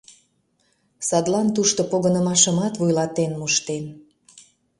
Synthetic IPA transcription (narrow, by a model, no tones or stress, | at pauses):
sɑd̪lɑnt̪uʃt̪opoɣənə̆mɑʃəmɑt̪vujlɑt̪enmuʃt̪en